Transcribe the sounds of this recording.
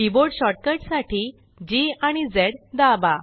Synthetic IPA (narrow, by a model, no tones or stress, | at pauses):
iboɽɕɔʈ̚kəʈsaʈʰiː | d͡ʑiaɽ̃id͡zeɽd̪aba